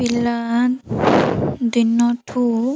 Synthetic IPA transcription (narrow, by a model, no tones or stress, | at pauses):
ilan | d̪inːɔʈʰu